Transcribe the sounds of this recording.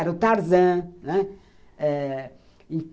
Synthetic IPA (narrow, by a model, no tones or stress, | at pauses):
ɛɾut̪aɾzɐ̃nɛ | ɛ | ĩ